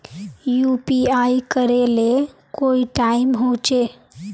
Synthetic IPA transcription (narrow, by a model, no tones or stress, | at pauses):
jupiajkəɾelekoːiʈaɪmɦot͡ʃe